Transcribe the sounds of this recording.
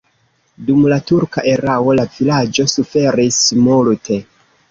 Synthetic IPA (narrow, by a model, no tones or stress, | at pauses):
dumlatuɾkaʔe̞ɾawo̞lavilad͡ʒo̞sufe̞ɾismultʰe̞